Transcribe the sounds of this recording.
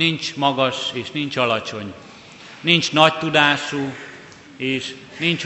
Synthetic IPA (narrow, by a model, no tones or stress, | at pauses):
int͡ʃmɒɡɒʃeːʃnint͡ʃɒlɒt͡ʃo̞ɲ | nint͡ʃnɒct̪ud̪aːʃu | eːʃ | nint͡ʃ